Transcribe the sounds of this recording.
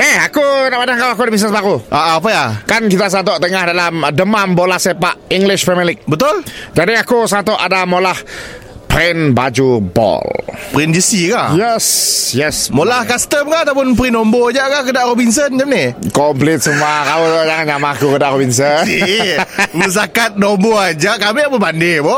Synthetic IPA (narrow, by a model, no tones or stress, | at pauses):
eakunaʔpadaŋkawak̬udabis̬əsbaɾuʔaʔːp̬əjakankit̪as̬ant̪̬ɔʔt̪əŋahdalamdəmanbolahsepaʔiŋɡlɪʃpɾɛmilɪk̚bət̪ʊld͡ʒadiakusəant̪ɔʔadamolah | pɾɛnbad͡ʒubɔ̰lpɾɛnd͡ʒisikaʔjɛsjɛsmolahkast̪əmkaʔat̪awp̬ʊnpɾinombod͡ʒaʔkakədaʔɾobins̬ənd͡ʒamnɪkɔmplɪt̪̚səmuakaud͡ʒaŋand͡ʒamakukədaʔɾobins̬əni | məs̬akat̪̚nomboad͡ʒakamiapəbandɪbɔ